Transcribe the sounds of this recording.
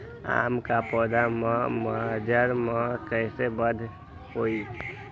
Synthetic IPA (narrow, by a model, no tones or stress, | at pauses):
a̰mkapɔd̪amãməd͡ʒəɾmə̃kəɪsebəd̪ʱ | hoi